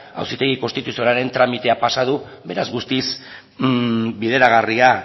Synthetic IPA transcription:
a̰wsit̪e̞ɣiko̞st̪it̪usionaɾe̞nt̪ɾamit̪e̞apasað̞u | βe̞ɾazɣust̪is | bið̞e̞ɾaɣ̞aria

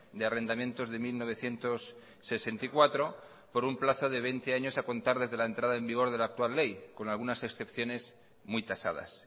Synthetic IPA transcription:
d̪eare̞nd̪amje̞nt̪o̞zðe̞milno̞β̞e̞θje̞nt̪o̞sː | e̞se̞nt̪aikwat̪ɾo̞ | po̞ɾumplaθo̞ð̞e̞βe̞jnt̪e̞aɲo̞sako̞nt̪aɾðe̞zðe̞laent̪ɾað̞aembiɣ̞o̞ɾð̞e̞laːk̚t̪ualːe̞jko̞nalɣunase̞ksθe̞pθjo̞ne̞s | mujt̪asa̰ð̞a̰s

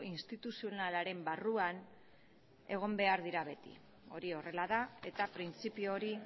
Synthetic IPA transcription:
inst̪it̪usio̞nalaɾe̞mbaruan | e̞ɣ̞o̞mbe̞aɾðiɾaβe̞t̪ḭ | o̞ɾio̞re̞laðae̞t̪apɾint͡sipiooɾi

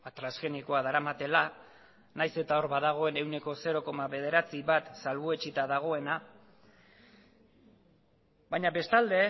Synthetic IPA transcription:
at̪ɾasɣe̞niko̞aðaɾamat̪e̞la | najse̞t̪ao̞ɾβaðaɣ̞o̞e̞ne̞wne̞ko̞se̞ɾo̞ko̞maβe̞ð̞e̞ɾat͡siβat̪salβoe̞t͡ʃit̪aðaɣ̞o̞e̞na | βaɲaβe̞st̪ald̪e̞

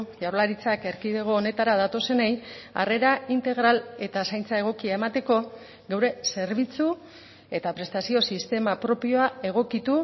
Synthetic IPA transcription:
ʝaɾlaɾit͡sakeɾkiðeɣ̞oːne̞t̪aɾaðat̪o̞se̞neja̰re̞ɾaint̪e̞ɣɾale̞t̪asajnt͡sae̞ɣ̞o̞kiae̞mat̪e̞ko̞ | ɣewɾe̞se̞ɾβ̞it͡su | e̞t̪apɾe̞st̪asio̞sist̪e̞mapɾo̞pio̞ae̞ɣ̞o̞kit̪u

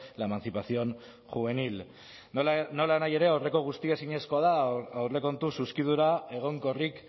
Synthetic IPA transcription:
laemant͡sipasio̞n | ʝuβe̞nil | no̞lanaje̞ɾe̞awre̞ko̞ɣ̞ust̪iasiɲe̞sko̞aðaawre̞ko̞nt̪ususkið̞uɾae̞ɣ̞o̞ŋkorik

